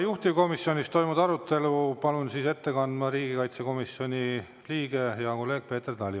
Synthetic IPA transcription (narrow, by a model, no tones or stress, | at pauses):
juht̪ivko̞misjo̞nʲist̪o̞jmud̪̥ɑɾut̪ːˑe̞lupɑlunsise̞t̪ːe̞kɑnd̪mɑɾiːɡ̥ikɑjt̪se̞ko̞misjo̞nʲi | liːɡ̥e̞jɑko̞lːe̞ːɡ̥̚pe̞ːt̪erd̪ɑlʲi